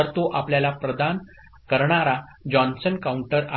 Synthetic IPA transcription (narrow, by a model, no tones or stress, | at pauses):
əɾt̪oʔapljalapɾəd̪an | kəɾɳaɾad͡ʑɔnsənkauɳʈəɾa